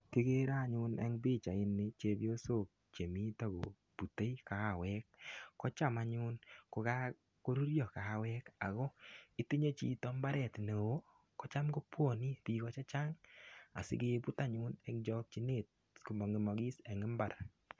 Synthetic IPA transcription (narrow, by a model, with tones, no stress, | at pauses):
ki˦ɡe˦ɾa˦˨ɲʊ˦nɛ̰˦ŋbɪ˦t͡ʃa˨ɪ˦nːɪ˦t͡ʃe˦bjo˦so˦˨k̚t͡ʃe˨mi˦ta˦ɡo̰˨ | b̥u˨te˦i˦ka˨a˨wɛ˦k̚ːɔ˦t͡ʃa˦ma˨ɲʊ˦nkʊ˨ka˦ | ko˦ɾu˦ɾjɔ˨ka˨a˨wɛ˦ka˨ɡɔ˦ɪ˦ti˦ɲe˦t͡ʃḭ˨tɔ˦mba˦ɾɛ˨tne˨wo˦ | kɔ˦t͡ʃa˦mko˦pwɔ˦˨ni˦piː˨kɔ˨t͡ʃa˦t͡ʃa˦ŋa̰˨sɪ̰˦ɡe˦bu˦ta˦ɲʊ˦nɛ˦kd͡ʒɔ˦k̚t͡ʃi˦ne˨t̚ | ku˨mɔ˨ŋɪ˨mɔ˨ɡi˦sɛ˨ŋɪ˦mba˨ɾ